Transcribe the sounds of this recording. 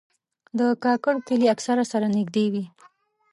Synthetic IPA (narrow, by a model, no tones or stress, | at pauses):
d̪əkɑkaɽkəliaksaɾasaɾanɪɡd̪ewi